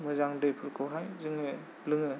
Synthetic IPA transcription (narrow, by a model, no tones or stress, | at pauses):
mɯzaŋdɯjpʰɯɾkʰɯwɦajzɯŋɯ | blɯŋɯ